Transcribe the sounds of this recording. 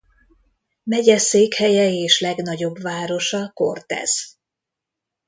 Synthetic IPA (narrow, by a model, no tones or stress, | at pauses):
mɛɟɛseːkhɛjɛeːʃlɛɡnɒɟo̞bʋaːɾo̞ʃɒko̞̰rt̪ɛ̰z̥